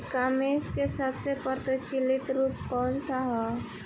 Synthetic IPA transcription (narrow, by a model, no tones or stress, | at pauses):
kaːmeːskesəbsepəɾt̪ət͡ʃɪlɪt̪ɾuːp̚kɔːnsaɦɛ